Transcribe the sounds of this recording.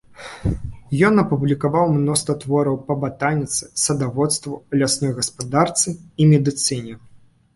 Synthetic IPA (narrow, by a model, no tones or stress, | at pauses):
jɔnɐpublʲikavawmnɔst̪vɐt̪vɔɾɐwpɐbat̪anʲit̪sɨ̥sɐd̪avɔt̪st̪vulʲasnɔjɣɐspad̪art̪sɨimʲɛd̪ɨt̪sɨnʲɛ